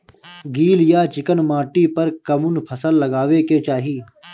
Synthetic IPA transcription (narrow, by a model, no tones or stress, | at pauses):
ɡiːljaːt͡ʃɪkənmaːʈipɐɾkɐmʊnpʰəsəlːɐɡaːʋeket͡ʃaːɦiː